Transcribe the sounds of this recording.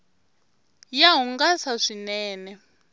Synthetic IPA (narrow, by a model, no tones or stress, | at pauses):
jaɦuŋɡasaʂinɛːnɛ